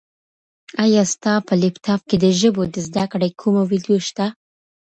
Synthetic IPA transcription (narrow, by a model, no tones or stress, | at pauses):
ajɑst̪ɑpəlɪpt̪ɑfked̪əʒəbod̪əzd̪akɽajkʰumowid̪joʃt̪a